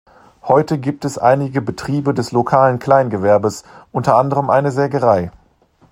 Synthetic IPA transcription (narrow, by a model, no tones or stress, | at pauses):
hɔʏtəɡiːp̚tɛsʔa̰ɪnɪɡəbətʁ̥iːbədɛslokʰaːlənkʰl̥aɪnɡəvɛɐbəsʔʊntɐʔandəʁəmʔaɪnəzɛːɡəʁaɪ